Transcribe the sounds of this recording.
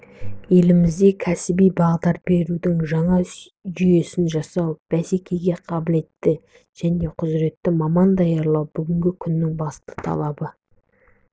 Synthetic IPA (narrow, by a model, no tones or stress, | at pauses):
je̞lɪmɪzd̪e̞kʲʰæsɪbijbɑʁd̪ɑɾbe̞ɾud̪ɪŋʒɑɴɑ | ʒʏje̞sɪnʒɑsɑwb̥æse̞kʲʰe̞ɡʲe̞qʰɑbɪle̞t̪ːɪ | ʒ̥æne̞qʰʊzɾe̞t̪ːɪmɑmɑnd̪ɑjɑɾlˠɑwbʏɡʲɪŋɡʲɪkʲʰʏnːɪŋbɑst̪ə̥t̪ʰɑ̰lˠɑbə